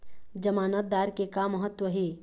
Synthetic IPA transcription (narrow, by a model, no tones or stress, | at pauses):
d͡ʒəmaːnət̪̚d̪aːɾkekamːɐɦət̪wəɦeː